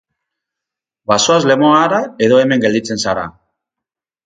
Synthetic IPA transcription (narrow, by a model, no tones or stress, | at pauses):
basoazle̞moaɾae̞ðo̞eme̞ŋɡe̞ld̪it͡se̞nsaɾa̰